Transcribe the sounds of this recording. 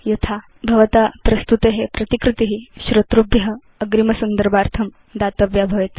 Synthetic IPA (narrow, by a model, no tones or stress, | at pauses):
jɐt̪ʰa | bʱɐʋɐt̪aːpɾɐst̪ut̪eɦepɾɐt̪ikɾɪt̪iɦiʃɾɐt̪ɾubjɐɦɐ | ɐɡɾimɐsɐnd̪əɾbaːɾt̪ʰɐm | d̪aːt̪ɐbjabʱɐʋet̪